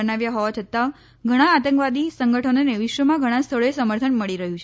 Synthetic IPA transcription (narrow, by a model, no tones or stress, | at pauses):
ənaʋjaɦɔʋat͡ʃʰət̪a | ɡʱəɽ̃ãːt̪ə̃ŋkʋad̪isəŋɡəʈʰənoneʋiʃʋəmãɡʱəɽ̃ãst̪ʰəɭoesəməɾt̪ʰənməɭiɾəɦjũt͡ʃʰe